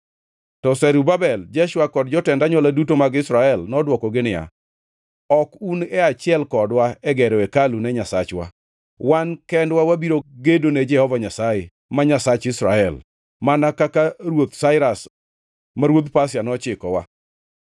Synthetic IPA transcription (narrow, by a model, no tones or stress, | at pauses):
tɔsɛɾubabɛld͡ʒɛʃwakɔdd͡ʒɔtɛndaɲwɔladutomaɡɪsɾaɛlnɔdwɔkɔɡɪnɪja̰ | ɔkunɛat͡ʃɪɛlkɔdwaɛɡɛɾɔɛkalunɛɲasat͡ʃwa̰ | wankɛndwawabiɾoɡedonɛd͡ʒɛhɔvaɲasaje | maɲasat͡ʃɪsɾaɛl | manakakaɾwot̪saɪɾas | maɾwod̪pas̬janɔt͡ʃɪkɔwa̰